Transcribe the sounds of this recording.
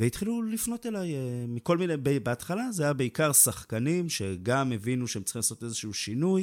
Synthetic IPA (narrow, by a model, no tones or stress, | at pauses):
veit̪χilulifno̞te̞lajemiko̞lminebebeat̪χalazeajabe̞ikaʁsaχkanimʃe̞ɡamevinuʃeemt͡sχimlaso̞t̪e̞zeʃuuʃinuj